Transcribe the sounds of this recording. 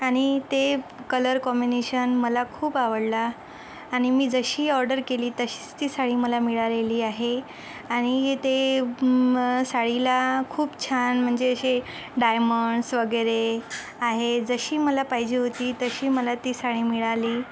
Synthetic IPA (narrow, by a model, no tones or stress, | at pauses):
aɽ̃it̪ekələɾkɔmineɕənməlakʰuːpaʋəɽlaː | ɽ̃imiːd͡zəɕiːɔɾɖəɾkeliːt̪əɕi̥ːt͡st̪iːsaɽiːməlamiɭaleliːaɦe | aɽ̃it̪e | saɭilakʰuːpt͡ɕʰanm̤əɳd͡zeəɕe | ɖajməɳɖsʋəɡəɾe | aɦed͡zəɕiːməlapaɦid͡ʑiːɦot̪iːt̪əɕiːməlat̪isaɽiːmiɭaliː